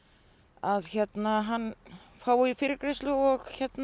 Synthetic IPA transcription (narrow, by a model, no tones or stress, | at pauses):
aðçɛt̪naɦanːfaːwifɪɾɪkɾɪst̪lʏɔɣçɛt̪n